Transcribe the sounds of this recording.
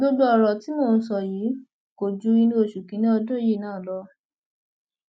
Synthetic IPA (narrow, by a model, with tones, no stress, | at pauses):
ɡo˦du˦ɔ˧ɾɔ˨ti˨˦moː˦˨n̩˧˦s̬ɔ˦˨jiː˨˦ | ko˨d͡ʒu˨˧i˧nũ˧o˨ʃu˨kĩ˨˦nĩ˦ɔ˧dũ˦ji˦˨nãː˦˨lɔ˧˦